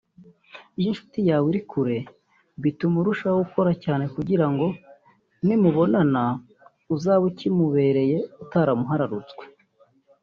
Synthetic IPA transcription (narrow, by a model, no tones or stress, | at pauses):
ijinʃu̥tijaːwiɾikʰuɾe̞ | βitumuɾuʃauko̞ɾacaːne̞kuɟiɾaŋɡo̞ | nimuβo̞nana | uzaːβucimuβe̞ːɾe̞je̞utaɾamuɦaɾaɾut͡sɡwe